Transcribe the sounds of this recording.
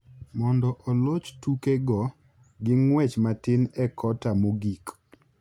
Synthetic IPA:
mɔndɔʔolot͡ʃtukeɡɔ | ɡɪŋwɛt͡ʃmatɪnɛkʰɔtamoɡik

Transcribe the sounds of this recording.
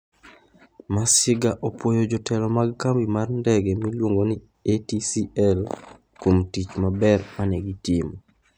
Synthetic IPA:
masɪɡaʔopwojod͡ʒɔtɛlɔmaɡkambimarndɛɡɛmilwoŋɡoni | etisiɛl | komtit͡ʃmabɛrmanɛɡitimo

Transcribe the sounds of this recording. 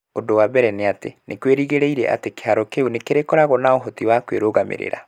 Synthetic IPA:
odowabɛɾɛneatḛnekweɾiɣeɾeiɾɛ̰ʔa̰teke̥aɾɔkeunekeɾekɔɾaɣɔnaoɦɔtiwakweɾoɣamḛɾḛɾa̰

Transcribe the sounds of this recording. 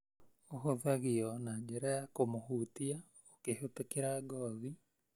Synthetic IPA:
oɦoðaɣiɔnaɲɟɛɾajakomohuːtia | okehotekeɾaɡɔːði

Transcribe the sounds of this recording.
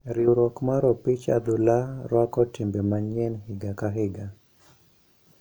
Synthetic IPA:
ɾiuɾɔkmaɾɔpit͡ʃa̰d̪ʊlaɾwakɔtimbɛmaɲɛnhɪɡakaɦɪɡa

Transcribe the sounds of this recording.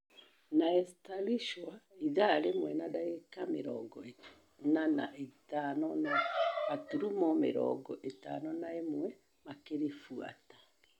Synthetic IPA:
naɛstaliʃwaiðaɾemwɛnadaɣekameɾɔ̰ɡɔe | nana̰ʔetanɔnaatuɾumɔmḛɾɔ̰ɡɔʔeta̰nɔnaemwɛ | makeɾefua̰tḁ

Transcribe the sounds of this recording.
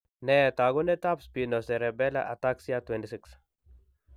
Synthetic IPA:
nɛt̪aɡʊnɛt̪apspinosɛɾɛbɛla̰ʔat̪aksiat̪wɛntisɪks

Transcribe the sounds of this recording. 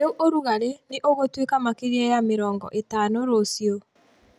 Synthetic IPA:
euʔoɾuɣaɾeneʔoɣotwekamakeɣeɛjameɾɔːŋɡɔ̰ʔetanoɾosjo

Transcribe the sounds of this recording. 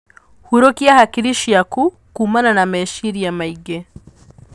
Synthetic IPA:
huɾokjahakiɾiʃiaku | kuːmananameʃiɾiamaiɡe

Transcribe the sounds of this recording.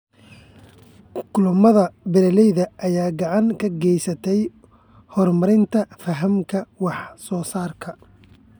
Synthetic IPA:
kʰʊlʊmɐðɐbɪlɐlɛjðɐʔːjaːɡɑʕɑŋkʰɐɡɛjsɐt̪ʰɛj | hɔrmɐɾɪnt̪ʰɐfɐɦɐmkʰɐwɑħsɔːsaːrkʰɐ

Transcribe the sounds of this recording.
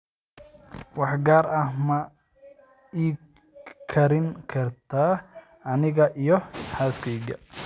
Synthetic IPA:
wɑħɡaːɾɐhmɐ | iː | kʰɐɾɪŋkʰɐrt̪ʰaː | ɐnɪɣɐʔijɔħaːskʰɛjɣɐ̰

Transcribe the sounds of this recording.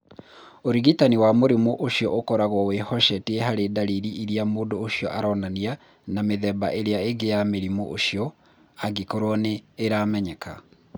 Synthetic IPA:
oɾiɣitaniwamoɾemoʔoʃiɔʔokɔɾaɣwɔwehɔʃɛteeɦaɾedaɾiɾiʔiɾiamoːndoːʃiɔ̰ʔaɾɔnania | nameðɛba̰ʔeɾeaeɡejameɾimoʔoʃiɔ | aɡikoɾwɔneːɾaːmɛɲɛka̰

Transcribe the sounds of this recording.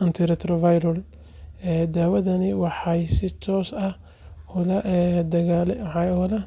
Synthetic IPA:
ɐnt̪ʰɪɾɛt̪ɾɔvajɾɔl | ɛːd̪aːwɐðɐnɪwɑħɑjsɪt̪ʰɔːsɐh | ɔlɐʔd̪ɐɣalwħɑɔlɐ

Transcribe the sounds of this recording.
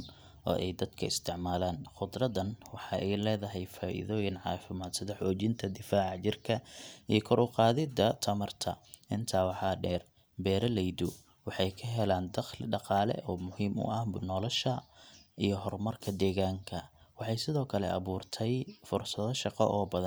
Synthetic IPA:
n | ʔɔ̰ːʔɛjd̪ɐd̪̥kʰɐɪst̪ʰɪʕmaːlaːnχʊd̪rɐðɐnwɑħɑːɛjlɛːðɐɦɛjfaːʔɪ̰ðɔːjɪnʕɑ̰ːfɪmaːd̪sɪðɐħɔːt͡ʃɪnt̪ʰɐd̪ɪfaːʕɑt͡ʃɪrkʰɐijɞkʰɔɾʊqɑːðɪd̪ɐt̪ʰɐmɐrt̪ʰɐ̰ʔɪnt̪ʰaːwɑħɑːɖɛːr | bɛːɾɐlɛjd̪ʊ | wɑħɑjkʰɐɦɛlaːnd̪ɑχlɪɖɑqɑːlɛ̰ʔɔːmʊhiːmʊ̰ʔɐhnɔːlɔʃɐʔijɞɦɔrmɐrkʰɐd̪ɛːɣaːŋkʰɐwɑħɑjsɪðɔːkʰɐlɛ̰ʔɐ̰βuːrt̪ʰɛjfʊrsɐðɔʃɑqɔ̰ʔɔːbɐðɐn

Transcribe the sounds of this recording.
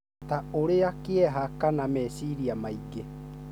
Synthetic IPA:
taoɾeakeɛɦakanamɛsiɾiamaiɡe

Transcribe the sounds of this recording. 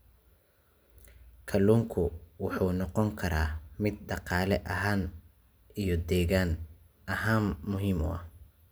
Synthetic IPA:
kʰɐluːŋkʰʊwɑħuːnɔqɔŋkʰɐɾaːmɪd̪̚ɖɑqɑːlɛʔɐɦaːn | ijɔd̪ɛːɣaːn | ɐɦaːnmʊɦiːmʊ̰ɐ̰h

